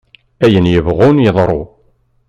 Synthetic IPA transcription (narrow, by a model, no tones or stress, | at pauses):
æjənjəvʁunjəðˤɾˤo